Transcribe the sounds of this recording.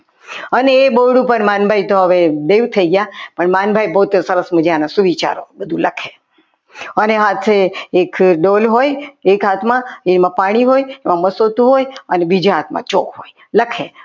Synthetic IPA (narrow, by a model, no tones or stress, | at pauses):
əneːboɽũpəɳmanbʱait̪oɦəʋeb̪eut̪ʰəiɡəjapəɳmanbʱajbəɦut̪səɾəsməd͡ʒanasuʋit͡ʃa̰ɾo̰bəd̪ʱũləkʰe | əneɦat̪ʰeekɖolɦojekɦat̪ʰmãemãpaɽ̃iɦojemãməsot̪ũɦojənebid͡ʒiɦat̪ʰmã̰t͡ʃokɦoj | ləkʰe